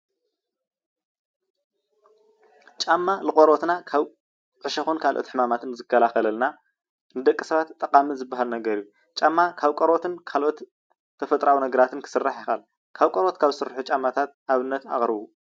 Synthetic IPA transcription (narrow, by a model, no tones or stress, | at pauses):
t͡ʃʼamːalɨχʼoɾot̪nakʰaβ | ʕɨʃɐxunkʰalʔo̞t̪ħɨmamat̪ʰɨnzɨkʰːɐlaxɐlɐlna | nɨd̪ɐkʼːi̥sɐβat̪ʼːɐqʼamizɨbːaɦalnɐɡɐɾiju | t͡ʃʼamːakʰaβkʼoɾot̪ʰɨnkʰalʔo̞t̪ | t̪ʰːɐfɐt̪ʼɾawinɐɡɐɾat̪ɨnkʰɨ̥sɨrːaħjɪxal | kʰaβkʼoɾot̪kʰaβzɨsɨɾħut͡ʃʼamːat̪ʰat̪ʔaβɨnːɐt̪a̰χʼɾɨβu